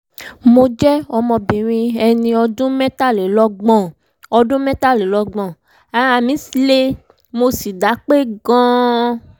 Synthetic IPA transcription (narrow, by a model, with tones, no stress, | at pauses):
mo˧d͡ʒɛ˦ɔ˧mɔ̃˧bĩ˨ɾ̃ĩ˧ɛ˧nĩ˧ɔ˧dũ˦mɛ̃˦ta˦˨le˨˦lɔ˧˦ɡ͡bɔ̃˦˨ | ɔ˧dũ˦mɛ̃˦ta˦˨le˨˦lɔ˧ɡ͡bɔ̃˨ | ã˨a˧˨mĩ˨˦sle˦ | mo˧si˨da˨˦k͡pe˦˨ɡã˦